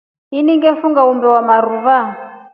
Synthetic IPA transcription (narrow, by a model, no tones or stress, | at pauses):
ɦiniŋɡɛfuŋɡaumbɛwamaruva